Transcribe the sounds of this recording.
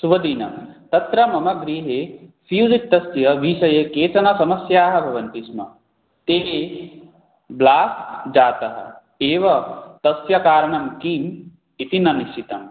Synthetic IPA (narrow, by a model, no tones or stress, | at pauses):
subɐd̪iːnɐ̰mt̪ɐt̪ɾɐmɐmɐɡɾiːɦeːfʰiwzit̪̚ːɐsjɐʋiʃɐjekeːt͡ʃɐnɐsɐmɐsjaːɦɐ̆bʱɐʋɐnt̪ismɐ̰ | t̪eːe | blaːsd͡ʒaːt̪ɐɦɐ̰ | eːʋɐt̪ɐsjɐkaːɾɐɳɐmkiːm | it̪inɐniʃʈʰit̪ɐm